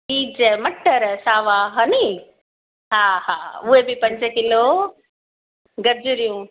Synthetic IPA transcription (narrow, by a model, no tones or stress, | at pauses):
iːd͡ʑəmɐʈːəɾsaːʋaːɦɐni | ɦaːɦa̰ːuɦebɪpɐ̃ɲd͡ʑkɪlo | ɡɐɾd͡ʑuɾijũ